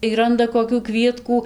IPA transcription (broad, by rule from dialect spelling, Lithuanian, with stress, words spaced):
iː ˈrɐndɐ koːkʲuː ˈkʋʲiɛtkuː